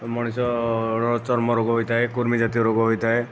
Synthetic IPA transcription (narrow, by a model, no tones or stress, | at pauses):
mɔɽ̃isɔɔt͡ʃɔɾmɔɾoɡɔɦojt̪aɦekuɾmid͡ʒat̪iɔɾoɡɔɦojt̪aɦe